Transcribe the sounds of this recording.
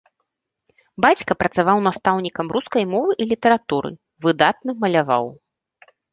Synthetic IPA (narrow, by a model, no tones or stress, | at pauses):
bat͡sʲkɐpɾɐt̪savawn̪ast̪awnʲikɐmruskɐjmɔvɨʔilʲit̪ɐɾat̪uɾɨ̰ | vɨd̪at̪nɐmɐlʲava̰w